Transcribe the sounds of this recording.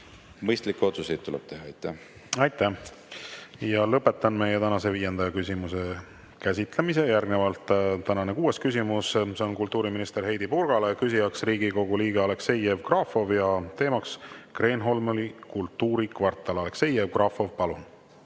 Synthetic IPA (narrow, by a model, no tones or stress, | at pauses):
mɤjst̪likːˑeo̞t̪susejt̪̚t̪ːulɛb̥̚t̪e̞ɦhɑɑjt̪ːˑæh | ɑjt̪ːˑæh | jɑlɤpːˑe̞t̪ˑːɑnme̞jet̪ænɑse̞viːje̞nd̪ɑjɑkysʲimuse̞ | kæs̬ʲit̪ˑle̞mis̬e̞jærɡne̞vɑlt̪ˑt̪ːænɑnekuːe̞skysimusse̞o̞nkult̪ːˑuːɾiminist̪e̞ɾɦe̞jd̪ipurɡ̥ɑle̞kysʲijɑksriːɡiko̞ɡ̥uliːɡeɑle̞kse̞je̞vkrɑfo̞vjɑt̪e̞ːmɑkskre̞ːnɦo̞lmolikult̪ːˑuːɾikvɑrt̪ːˑɑlɑle̞kse̞jevkrɑfo̞vpɑlun